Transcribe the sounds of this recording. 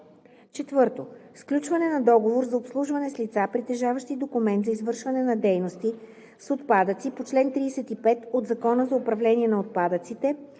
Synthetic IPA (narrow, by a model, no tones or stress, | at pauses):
t͡ʃɛt̪vɤɾt̪osklʲut͡ʃvɐnɛnɐd̪ɔɡovoɾzɐopslˠuʒvɐnɛslʲit̪sapɾit̪ɛʒavəʃt̪id̪okʊmɛnt̪zɐizvɤɾʃvɐnɛnɐd̪ɛjnost̪i | sot̪pad̪ət̪sipot͡ʃlɛnt̪ɾiːsɛt̪ipɛt̪od̪zɐkɔnəzɐopɾɐvlɛniɛnɐot̪̚pad̪ət̪sit̪ɛ